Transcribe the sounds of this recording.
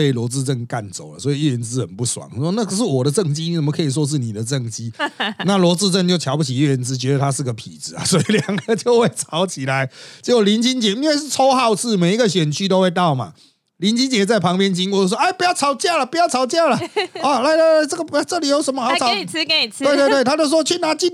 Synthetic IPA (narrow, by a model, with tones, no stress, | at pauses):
e˥˩ɪlwɔ˧˥t͡sɹ̩˥˧ʈ͡ʂə˥˨nka˥˩nt͡so˨˩ʊlə˩swɔ˧˥i˨y˥˩ə˧˥nt͡sɹ̩˦˥xə˨˩npu˥˩swɑ̰˨˩˦ŋ˨swɔ˥na˥˨˧ʂ̬ɻ̩˥˩wɔ˨˩ɾə˦ʈ͡ʂə˥˩ŋt͡ɕi˥ni˨˥sə˨˩mə˦˧kʰə˧˥i˨˩ʂ̬wɔ˦˥ʂ̬ɻ̩˥˩ni˨˩d̪ə˦ʈ͡ʂə˥˩ŋt͡ɕi˦na˥˨lwɔ˧˥t͡sɹ̩˥˧ʈ͡ʂə˥˧nt͡ɕjo˥˩ʊt͡ɕʰjɑ˧ʊpu˥˩t͡ɕʰi˨˩y˥˩ə˧˥˦nt͡sɹ̩˦˥t͡ɕɥɛ˧˥d̪ə˨t̪ʰa˦ʂɻ̩˥˩ɡə˩pʰḭ˨˩d͡zɹ̩˨˩˦a̰˨˩swɔ˧˦˥i˨ljɑ˨˩ŋɡə˧˦t͡ɕjo˥˧ʊxwe˥˩ɪt͡sʰɑ˨˦˥ʊt͡ɕʰi˨˩la˧˦ɪt͡ɕjo˥˧ʊli˧˥nt͡ɕʰi˦˥nt͡ɕjɛ˧˥˦i˥nwe˥˧ɪʂ̬ɻ̩˥˨˩t͡sʰo˥ʊxɑ˥˧ʊt͡sʰɹ̩˥˩me˨˩ɪi˦˥ɡə˨ɕɥɛ˨˩nt͡ɕʰy˥t̪o˥ʊxwe˥˧ɪt̪ɑ˥˩ʊma̰˨˩ | li˧˥nt͡ɕʰi˦˥nt͡ɕjɛ˧˥t͡sa˥˩ɪpʰɑ˧˥ŋpjɛ˥nt͡ɕi˥ŋkɔ˥˧jo˥˧˩swɔ˥a˧˩ɪpu˧˥jɑ˥˩t͡sʰɑ˨˥ʊt͡ɕja˥˩lə˨pu˧˥jɑ˥˩ɑ˨˥ʊt͡ɕja˥˩lə˨˩ɔ˨˩la˧˥ɪlə˨˧˥ə˧˩ʈ͡ʂə˥˩ɡə˩a˧˩ʈ͡ʂə˥˩li˨˩jo˧˥ʊʂə˧˥nmə˧xɑ˧˥ʊ˥ɑ˨˦ʊ˨˩˥we˥˧ɪt̪we˥˧t̪t̪ʰa˥t͡ɕo˥˧ʊʂwɔ˥˧t͡ɕʰy˥˩na˧˥t͡ɕi˥